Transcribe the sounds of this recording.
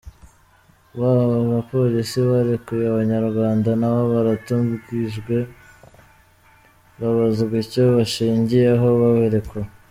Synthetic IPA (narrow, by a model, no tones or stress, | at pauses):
βaβaβapo̞ɾisiβaɾekujeaβaɲaɾɡwaːndanaβaβaɾatuɡiʒɡwe̞ | βaβazuɡicoβaʃiːɲɟijeɦo̞βaβeɾeko